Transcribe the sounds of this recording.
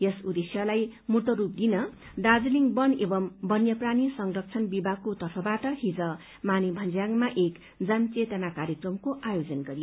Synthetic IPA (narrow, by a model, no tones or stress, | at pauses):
jʌsud̪esjʌlajmut̪ʌɾup̚d̪inʌ | ɖad͡zliŋbʌnebʌmbʌnjʌpranisʌŋrʌk̚t͡sʰʌnbibakot̪ʌrpʰʌbaʈʌɦid͡zʌ | manibʱʌnd͡zjaŋmaʔek | d͡zʌnt͡set̪ʌnakaɾjʌkrʌmkoʔajod͡zʌnɡʌɾijo